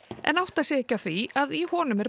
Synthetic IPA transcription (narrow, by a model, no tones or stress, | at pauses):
ɛ̰nawht̪asjɛɛhcːawθviaðihɔːnʏmɛɾ